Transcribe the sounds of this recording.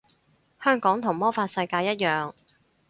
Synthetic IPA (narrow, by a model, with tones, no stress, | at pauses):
hœː˥ŋkɔː˨˥ŋt̪ʰʊ˨˩ŋmɔː˥faː˧t̚sɐ˧jkaː˧jɐ˥t̚jœː˨˩ŋ